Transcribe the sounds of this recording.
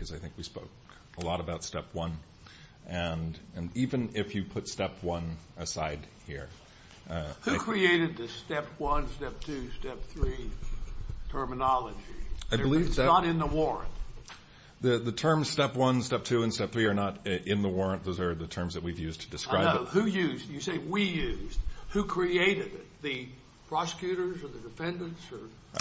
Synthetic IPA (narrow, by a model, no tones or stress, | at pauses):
kʰʌzaɪθɪ̃ŋkwispoʊk̚ | əlɔɾəbaʊtstɛpʰwʌ̃n | ʔɨ̃nɨ̃nivɨ̃nɪfjɨpʰʊtstɛpʰwʌ̃nɨsaɪd̚hiɹ | hʉkʰɹ̥ieɪɾɨd̪̚ðɨstɛp̚ʰwʌ̃nstɛp̚tʰʉstɛp̚θɹi | tʰɜ˞mənɑlˠəd͡ʒiaɪbəlivəɾɨ̃nðəwɔɹɨ̰̃nt | ðɨðɨtʰɜ̃˞mz̥stɛpwʌ̃nstɛp̚tʰʉɨ̃nstɛp̚θɹiə˞nəɾɪ̃nðəwɔɹɨ̃nt̪ðoʊzə˞ðɨtʰɜ̃˞mzðɨt̚wivjʉztʰɨdɨskɹaɪbʊhʉjʉzjɨseɪwijʉzd̥̚hʉkʰɹ̥ieɪɾɨdɪt̪̚ðɨ | pʰɹ̥ɑsə̥kʰjʉɾə˞zə˞ðɨdɨfɛ̃ndɨ̃ntsə˞